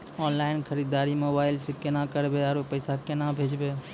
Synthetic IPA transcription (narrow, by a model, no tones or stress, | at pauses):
ɔːnlaɪnkʰəɾid̪aːɾimoːbaːɪlsekenakəɾbeaɾopəɪsakenabʱed͡ʒbe